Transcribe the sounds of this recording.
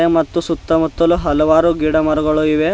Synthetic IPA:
emɐt̪ːusut̪ːɐmut̪ːɐluɦɐlɔʋaːɾuɡiɽɐmɐɾuɡɐɭuiʋe

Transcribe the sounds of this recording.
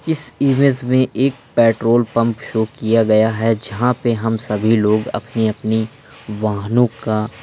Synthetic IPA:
ɪsiːmezmẽʔeːk̚pɛːʈɾoːlpɐ̃mpʃoːkijaɡɐjaɦɛd͡ʒɐɦãpeɦɐmsɐbʱiloːɡɐ̰pneɐpni | ʋaːɦnõka

